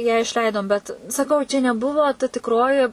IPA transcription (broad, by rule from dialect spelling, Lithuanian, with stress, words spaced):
jæː ɪʃʲˈlʲɛɪdoːm ˈbʲɛt sɐˈkɐʊ t͡ʃʲɛ nʲɛˈbʊʋoː tɐ tʲɪkˈroːjɪ